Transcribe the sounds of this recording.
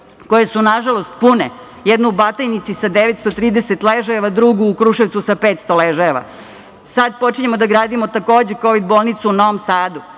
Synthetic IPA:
ko̞jesunaʒalˠo̞st̪̚pune | jed̪nuubat̪ajnit̪sisad̪eʋet̪st̪ot̪ɾiːd̪eset̪leʒaeʋad̪ɾuɡuːkɾuːʃeʋt̪susapeːt̪st̪oleʒaeʋa̰ | sad̪̚po̞t͡ʃiɲemod̪aɡɾaːd̪imo̞t̪ako̞ːd͡ʑeko̞ʋid̪boːlˠnit̪suuno̞ʋomsaːd̪u

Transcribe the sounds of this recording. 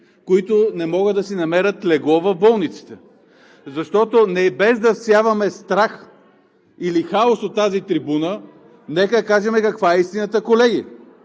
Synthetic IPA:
koit̪onɛmɔɡəd̪ɐsinɐmɛɾət̪lɛɡˠɔvɐvbɔlˠnit̪si̥t̪ɛ | zɐʃt̪ɔt̪onɛbɛzd̪ɐfsjavɐmɛst̪ɾax | ilixaosot̪ːazit̪ɾibunə | nɛkəd̪kaʒɛmɛkɐkvaɛist̪inət̪əkolɛɡʲi

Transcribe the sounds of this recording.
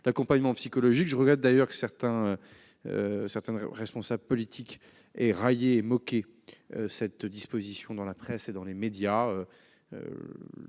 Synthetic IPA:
lakɔ̃paɲmɑ̃psikɔlɔʒikʒəʁəɡʁɛt̪̚d̪ajœʁkə̥sɛʁt̪ɛ̃ø | ø̰sɛʁt̪ɛ̃nʁɛspɔ̃sabləpɔlit̪ʰik | ɛʁajeːmɔkʲe | øsɛt̪d̪ispozisjɔ̃d̪ɑ̃lapχɛsed̪ɑ̃lemed̪jaø | ø̰

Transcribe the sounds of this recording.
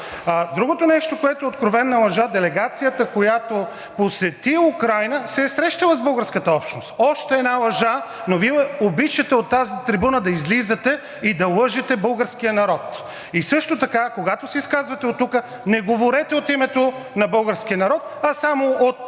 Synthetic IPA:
d̪ɾuɡot̪onɛʃt̪okoɛt̪oɛot̪̚kɾovɛnːɐlˠɐʒad̪ɛlɛɡat̪sijət̪əkojat̪o | posɛt̪iukɾajnəsɛsɾɛʃt̪ɐlˠɐzbɤlˠɡəɾskət̪əɔpʃt̪nost̪ɔʃt̪ɛɛːd̪nalˠɐʒa | noviɛɛobit͡ʃɐt̪ɛot̪ːazit̪ɾibunəd̪ɐizlizɐt̪ɛ | id̪ɐlˠɤʒɛt̪ɛbɤlˠɡəɾsk̟ijənɐɾɔt̪ | isɤʃt̪ot̪ɐkakoɡat̪osɛiskazvɐt̪ɛot̪ːukə | nɛɡovoɾɛt̪ɛot̪imɛt̪onɐbɤlˠɡəɾsk̟ijənɐɾɔt̪ɐsamoot̪̚

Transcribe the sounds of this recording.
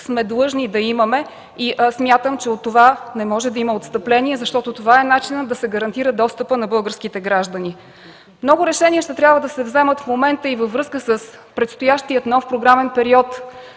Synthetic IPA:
smɛd̪lˠɤʒnid̪ɐiməmɛ | iʔsmʲjat̪əmt͡ʃɛot̪ːovanɛmɔʒɛd̪ɐimɐot̪st̪əplɛnʲiɛzɐʃt̪ɔt̪ot̪ovaɛnat͡ʃinəd̪ɐsɛɡəɾɐnt̪iɾəd̪ɔst̪əpənɐbɤlˠɡəɾskit̪ɛɡɾaʒd̪əni | mnɔɡʊɾɛʃɛnʲiɛʃt̪ɛt̪ɾʲabvəd̪ɐsɛvzɛmət̪fmomɛnt̪əivəvːɾɤskəsəspɾɛt̪st̪ojaʃt̪iət̪nɔfpɾoɡɾamɛnpɛɾiɔt̪

